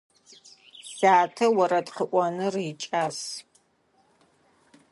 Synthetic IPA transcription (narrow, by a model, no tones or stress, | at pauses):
z̥aːtʰɐwɐɾɐtqəʔʷɔnɨrjt͡ʃʼaːs